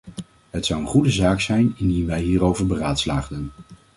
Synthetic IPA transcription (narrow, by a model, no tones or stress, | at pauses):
ɦətsʌwənχudəzaːksɛjnɪndinʋɛjɦiːrowvəɹbəraːtslaːχdən